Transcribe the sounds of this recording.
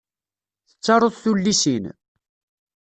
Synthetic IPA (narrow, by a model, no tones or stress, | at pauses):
θə̥t͡sːɑɾˤoðθulːisin